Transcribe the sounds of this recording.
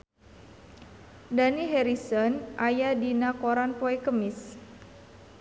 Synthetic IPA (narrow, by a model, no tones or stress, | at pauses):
daniɦɛɾisɔnʔajadinakɔɾanpoɛkəmɪs